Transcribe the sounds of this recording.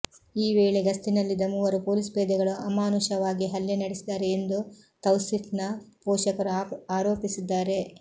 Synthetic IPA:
iːʋeːɭeɡɐst̪inɐlːid̪ɐmuʋɐɾupoːlispeːd̪ɐɡɐɭuɐmaːnuʃɐʋaːɡiɦɐlːjenɐɽesid̪aːɾe̞ːnd̪u | t̪ɐwsit̪nɐpoːʃɐkɐɾuaːɾo̞ːpisid̪ːaːɾe̞

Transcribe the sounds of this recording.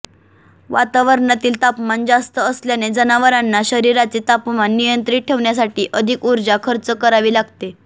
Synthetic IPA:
ʋa̰t̪aʋəɾɳat̪iːlt̪apmand͡zast̪əːsljaned͡zənaʋəɾanːaɕəɾiɾat͡set̪apmanːijənt̪ɾiːʈʰːeʋɳjas̬aʈiːʔəd̪ʱiːkuɾd͡zakʰəɾt͡səkəɾaʋiːlaɡt̪e

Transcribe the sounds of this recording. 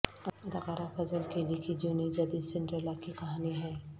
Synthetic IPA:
ɐɐd̪aqaːɾafɐzəlkelikid͡ʒuːnid͡ʒɐd̪iːd̪sɪ̃ɳʈɾəlakikɐɦaːniɦɛː

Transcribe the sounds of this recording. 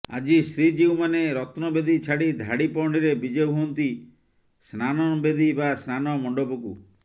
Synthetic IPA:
a̰d͡ʒisɾid͡ʒiwmaneɾɔt̪nɔbed̪it͡ʃʰaɽid̪ʱaɽipɔɳiɾebid͡ʒebʱuɔnt̪i | snanɔbed̪ibasnanɔmɔɳɖopukṵ

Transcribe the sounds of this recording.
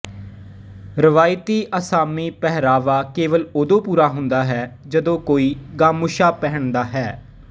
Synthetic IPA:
ɾɪʋaːɪt̪iːʔəsaːmiːpɛɦɾaːʋaːkeːʋəlod̪õːpuːɾaːɦʊ̃nd̪aːɦɛːd͡ʒəd̪õːkoːiːɡaːmʊʃaːpɛɦəɳd̪aːɦɛː

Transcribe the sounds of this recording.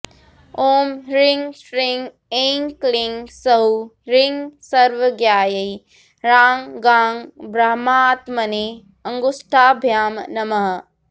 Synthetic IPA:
oːmɾɪŋɡsɾɪŋɡ | eːŋklɪŋɡsɐɦuɾɪŋɡsɐɾʋəɡjaːjɐi | ɾaːŋɡaːŋɡbɾɐɦmaːt̪mɐne | ɐ̃ŋɡʊsʈʰaːbʱjaːmnɐmɐɦɐ

